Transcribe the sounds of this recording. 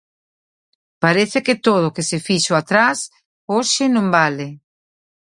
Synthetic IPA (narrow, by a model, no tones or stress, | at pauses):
paɾeθɪkɪt̪oð̞ʊkesɪfiʃoat̪ɾas | oʃɪnõmbale